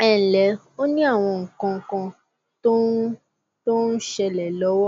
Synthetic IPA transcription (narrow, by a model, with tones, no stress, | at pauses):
ɛ˨n̩˨lɛ˨˦ | o˦nĩ˦a˦˨w̃ɔ̃˧ŋ̩˨kã˧ŋ˨kã˧ | to˦ | to˦n̩˦ʃɛ˧lɛ˨lɔ˨˦wɔ˦